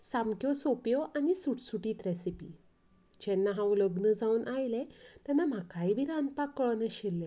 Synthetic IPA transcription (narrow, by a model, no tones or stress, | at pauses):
samkjɔsopjɔʔanisuʈsuʈiːt̪ɾesipḭː | d͡ʑɛnːaɦãwləɡnəd͡zauːnʔajlet̪janːam̤akaibʱiːɾanpakːəɭnəɕilːe